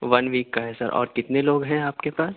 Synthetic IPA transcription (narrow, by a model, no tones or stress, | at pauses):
ʋɐnʋiːkːaɦɛsɐ̰ɾʔɔ̰ːɾkɪt̪neloːɡɦɛ̃aːpkepaːs